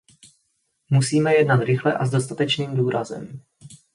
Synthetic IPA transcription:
musiːmɛjɛdnat̪ɾɪxlɛʔazdo̞st̪at̪ɛt͡ʃniːmduːɾazɛ̰m

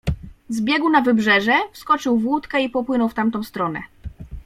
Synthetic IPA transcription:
zbʲjɛɡwnavɘbʐɛʐɛfskɔt͡ʂɘwvwut̪kɛipɔpwɘnɔwft̪amt̪ɔ̃w̃st̪ɾɔnɛ̰

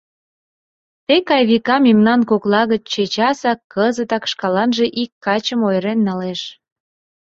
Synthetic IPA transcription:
t̪ekɑjβikɑmemnɑnkoklɑɣət͡ɕt͡ɕet͡ɕɑsɑkʰːəzət̪ɑkʃkɑlɑnʒe̽ʔikːɑt͡ɕəmojɾenːɑleʃ

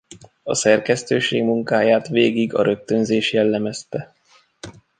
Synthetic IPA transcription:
ɒsɛrkɛst̪øːʃeːɡmuŋkaːjaːt̪ʋeːɡiɡɒ̰ɾø̞k̚t̪ø̞nzeːʃjɛlːɛmɛst̪ɛ

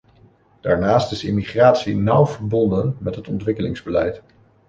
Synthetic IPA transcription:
d̥aːɹnaːstɪsɪmiχraːtsinʌwv̥əɹbɔndənmɛtɦətɔntʋɪkəlɪŋzbəlɛjt

